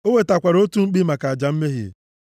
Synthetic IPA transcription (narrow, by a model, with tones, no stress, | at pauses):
o˦we˦ta˨kʷa˨ɾo˦tu˦ŋ͡m̩˦k͡pi˦ma˨ka˨a˨d͡ʒa˨m̩˦me˦ɦḭ˨